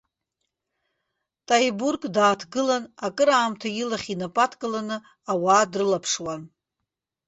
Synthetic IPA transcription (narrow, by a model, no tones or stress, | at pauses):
tʼajburkʼdaːtʰɡɨlanakʼɨɾaːmtʰajilaχʲinapʼatʰkʼɨlanɨ | awaːdrɨlapʰʂwan